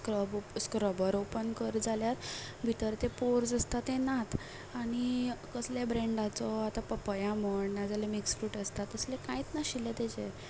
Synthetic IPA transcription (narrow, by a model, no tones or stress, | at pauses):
kɾəboskɾəbəɾopənkəɾd͡zʱaljat̪bʱit̪əɾt̪epoɾd͡zəst̪at̪enat̪ | aɽ̃ikəsljabɾeɳɖat͡sɔat̪apəpəjaməɳːad͡zalemiksfɾuːʈəst̪at̪əslekãjt͡snaɕilet̪et͡ɕe